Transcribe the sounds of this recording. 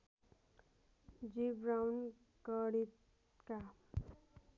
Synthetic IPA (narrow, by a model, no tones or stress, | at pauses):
d͡zibɾawn | kʌɽit̪ | ka